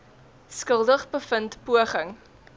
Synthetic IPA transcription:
skəlˠdəχbəfəntpuəχəŋ

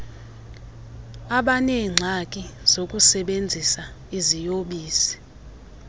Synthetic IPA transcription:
aɓanɛŋ͡ǀʱakʼiz̥ok̬ʼusɛɓend͡zʱisa | izijoɓiːsi̥

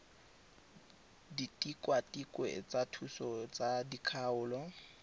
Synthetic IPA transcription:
ditʼikʼwatʼikʼwḛt͡sʼatʰusɔt͡sadikʰaʊːlɔ

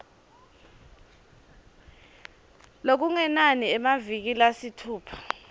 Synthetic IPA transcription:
lok̬uŋɛnaniɛmavik̬ilasitʰuːpʰḁ

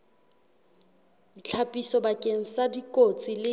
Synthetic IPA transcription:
dit͡ɬʰapʼisɔbakʼeŋ̩sadikʼot͡sʼilɪ

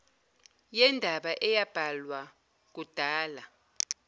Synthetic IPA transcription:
jɛndʱaɓaʔɛjab̥ʱalwa | k̬ud̥ʱaːla

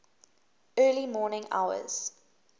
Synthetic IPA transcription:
ɜːlimɔːnɪ̃ŋa̰ʊə̰z̥

